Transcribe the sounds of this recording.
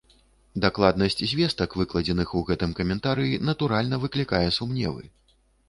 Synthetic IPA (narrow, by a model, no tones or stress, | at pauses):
d̪aklˠad̪nɐsʲt͡sʲzʲvʲɛst̪ɐkvɨklˠɐd͡zʲɛnɨxuɣɛt̪ɨmkɐmʲɛnt̪aɾɨjinɐt̪uɾalʲnɐvɨklʲikajɛsumnʲɛ̰vɨ̰